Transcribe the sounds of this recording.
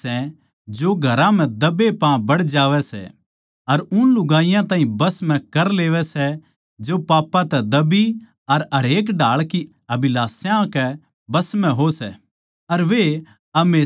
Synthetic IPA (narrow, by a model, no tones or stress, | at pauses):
ɛ | d͡ʒoɡʱɐɾãm̤ɛ̃d̪ɐbepãːbɐɽd͡ʒaːʋɛsɛ̰ | ɐɾʊnlʊɡaːɪjãt̪ãːɦĩbɐsmɛ̃kɐɾleːʋɛsɛ | d͡ʒopaːpːãt̪ɛd̪ɐbi | ɐɾɐɾeːk̬ɖaːɭki | ɐbɪlaːsjãkɛ | bɐsm̤ɛ̃ɦosɛ | ɐɾʋe | ɐmeː